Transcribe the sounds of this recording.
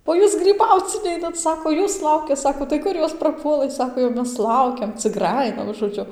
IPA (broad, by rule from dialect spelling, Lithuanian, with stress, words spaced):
oː ˈjuːs ɡrʲiːˈbɐʊt͡s ˈnʲɛɪnɐt ˈsɑːkoː ˈjuːs ˈlˠɐʊkʲɛ ˈsɑːkoː tɐɪ ˈkʊr ˈjoːs prɐˈpuɔlˠɘ ˈsɑːkoː jɛʊ ˈmʲɛs ˈlˠɐʊkʲɛm t͡sʲɪk ˈɡrɑːjɪnɐ ʒoːˈd͡ʒʲʊ